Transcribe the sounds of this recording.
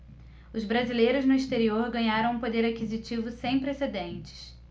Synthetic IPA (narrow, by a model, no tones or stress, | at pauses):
ʊzbɾazilejɾʊznʊist̪eɾioɾɡɐ̃ɲaɾɐ̃w̃ũpod̪eɾakizit͡ʃivʊsẽj̃pɾesed̪ẽnt͡ʃɪ̥s